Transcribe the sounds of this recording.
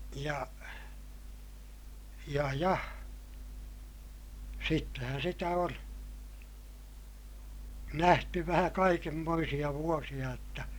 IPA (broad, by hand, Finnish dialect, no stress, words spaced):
jɑ jɑ jɑ sitːehæn sitæ on næhty ʋæhæ kɑikemːoisij̆ɑ ʋuosij̆ɑ jotːɑ